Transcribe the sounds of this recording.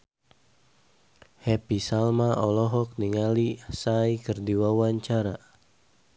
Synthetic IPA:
hɛpisalmaʔɔlɔɦɔk̚niŋalisajkərdiwawaɲt͡ʃaɾa

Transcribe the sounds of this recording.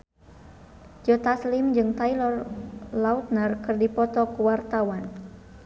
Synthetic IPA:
d͡ʒɔt̪aslimd͡ʒɨŋt̪ailɔrlaut̪̚nərkɨrdipɔt̪ɔkəwart̪awan

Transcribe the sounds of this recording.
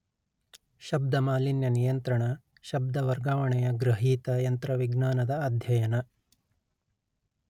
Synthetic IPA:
ʃɐb̚d̪ɐmaːlinjɐnijɐnt̪ɾɐɳɐ | ʃɐb̚d̪ɐʋɐɾɡaːʋɐɳɛjɐɡɾɐɦiːt̪ɐjɐnt̪ɾɐʋiɡnaːnɐd̪ɐːd̪ʱjɐjɐnɐ

